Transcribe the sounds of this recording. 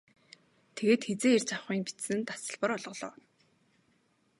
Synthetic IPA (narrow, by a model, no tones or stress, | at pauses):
t̪ʰeɣeːt̪xet͡seːirt͡ɕʰaχiːŋpi̥t͡ssɘ̆nt̪ḁsə̆ɮpə̆ɾɔɮʁɞ̆ɮɞ̰ː